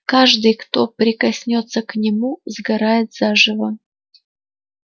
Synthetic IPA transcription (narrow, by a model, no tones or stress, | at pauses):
kaʐd̪ɨjkt̪o̞pɾʲɪkɐsʲnʲot̪sːəknʲɪmuzɡɐɾajɪt̪z̥aʐɨvə